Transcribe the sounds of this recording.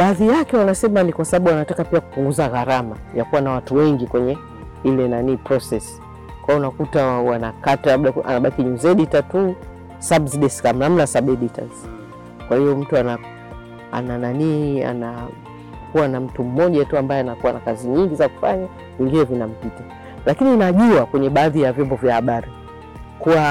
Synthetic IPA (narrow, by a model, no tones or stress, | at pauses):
ɓaːðijakɛwanasɛmanikwasaɓaɓuwanatakapiaku̥puŋɡuzaɣaɾamajakuwanawatuwɛŋɡikwɛɲɛ | ilɛnaniːpɾɔsɛs | kwajɔunakutawanakatalaɓɗaʔa̰naɓakiɲuzɛɗitatu | sabsiɗɛskam̩nam̩nasaɓɛɗita̰z | kwahiɔm̩tuana | a̰nananiːa̰na | kuwanam̩tum̩mɔʄatuambaɛanakuwanakaziɲiŋɡizaku̥faɲa | viŋɡinɛvinam̩pita | lakininaʄuakwɛɲɛɓaːðijavjɔmbɔvjahaɓaɾi | kuwa